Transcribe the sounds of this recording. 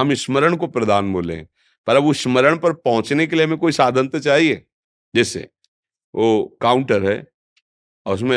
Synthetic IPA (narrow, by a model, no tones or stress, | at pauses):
ɦɐmɪʃməɾəɽ̃kopɾɐd̪aːnboːlḛ̃ | pɐɾɐbʊʃməɾəɽ̃pɐɾpɐɦʊ̃t͡ʃnekeliɦɐmẽkoːisaːd̪ʱə̃nt̪t͡ʃaːɦieː | d͡ʒɛːsḛ | ʋoːkaːʊ̃ɳʈəɾɦɛ̰ː | ɔːɾʊs̬mẽ